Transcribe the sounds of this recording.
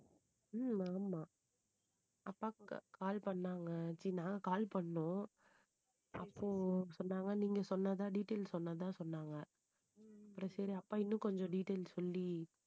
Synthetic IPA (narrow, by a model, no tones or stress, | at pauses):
aːmaː | ɐpːaːkaːlpɐɳːaːŋɡɐt͡ʃinãːŋɡɐkaːlpɐɳːʊ̃ | ɐ̰pːoːsɔnːaːŋɡɐniːŋɡɐsɔnːɐðãːɖiːʈːeːlsɔnːɐt̪ãːsɔnːaːŋɡɐ | ɐpːɯɾɔ̃sɐɾiɐpːaːɪnːʊ̃kɔɲd͡ʒɔ̃ɖiːʈːeːlsɔlːi